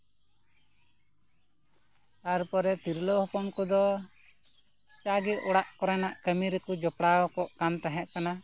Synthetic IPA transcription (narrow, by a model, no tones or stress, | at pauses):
aɾpɔɾɛt̪iɾlɔhɔkɔmkɔd̪ɔ | t͡ʃaɡɛt̪ɔɽaʔkɔɾɛnaʔkəmiɾɛkud͡ʒɔpɽaɔkɔʔkant̪aɦɛʔ̪̚kana